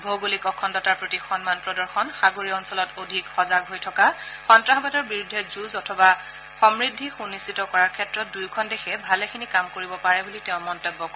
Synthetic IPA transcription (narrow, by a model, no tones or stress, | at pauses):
bʱoɡulikɔkʰɔndɔtaɹpɹotixɔnmanpɹɔdɔɹxɔnxaɡoɹiɔnsɔlɔtodʱikxɔzaɡɦojtʰɔkaxɔntɹaxɔbadɔɹbiɹudʱːɛzuzɔtʰɔba | xɔmɹidʱːixunistitɔkɔɹaɹkʰɛtɹɔt̚dujkʰɔndexʰɛbʱalɛkʰinikamkoɹibɔpaɹɛbulitɛʊ̃mɔntɔbːɔkɔ